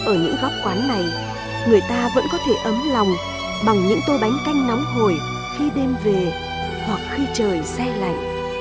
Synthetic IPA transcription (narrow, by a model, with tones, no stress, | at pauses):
ʔəː˧˩ɲɨ̰˧˥ŋɣɔ˦˥p̚kwaː˨˦nːa˨˩j | ŋɨ˨˩əjt̪aː˧və̰˧˥nkɔ˨˦t̪ʰe˧˩ʔə˨˦mla˨˩wŋ͡m | ɓa˨˩ŋɲɨ̰˧˥ŋt̪o˧jɓa˨˦jŋ̟ka˧jŋ̟nɔ˨˦wŋ͡mɦo˨˩j | xi˧ɗe˧mve˨˩ | hwa˨˩k̚xi˧t͡ɕəː˨˩jsɛ˧la̰˧˨ʔ